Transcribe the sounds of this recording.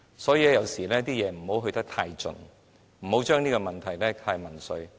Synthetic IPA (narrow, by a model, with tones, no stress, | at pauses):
sɔː˨˥jiː˨˧lɛ˥jɐ˨˩wsiː˨˩lɛː˥t̪iː˥jɛː˨˧m̩˨˩ho˨˥wɦɵ˧ɥt̪ɐ˥k̚t̪ʰaː˧jt͡sɵ̰˨˧n | m̩˨˩ho˨˥wt͡ʃœː˥ŋniː˥kɔ˧mɐ˨nt̪ʰɐ˨˩jlɛː˥t̪ʰaː˧jmɐ˨˩nsɵ˧ɥ